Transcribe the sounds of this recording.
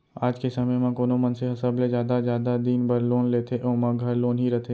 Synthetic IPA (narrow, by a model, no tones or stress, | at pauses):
aːd͡ʒkesɐməjmãkoːnomɐnseɦɐsəbled͡ʒjaːd̪azjaːd̪ad̪iːnbɐɾloːnleːt̪ʰeʔoːmãɡʱɐɾloːnɦiɾɛɦt̪ʰe